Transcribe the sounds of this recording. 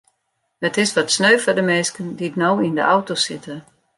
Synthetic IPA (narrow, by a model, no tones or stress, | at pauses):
hətɪsʋɔtsnøːfɔrdəmeːskənditnowində̰ʔawtosɪtʰə